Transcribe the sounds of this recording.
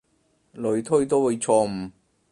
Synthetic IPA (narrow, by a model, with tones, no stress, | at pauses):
lɵ˨˧ɥt̪ʰɵ˥t̪o˥wo˨˧t͡ʃʰɔː˧m̩˨˩